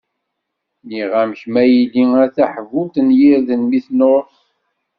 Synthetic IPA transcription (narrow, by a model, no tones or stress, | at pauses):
niʁæmçmæjiliæθæħvut̪ənjiɾðənmiθnoɾθ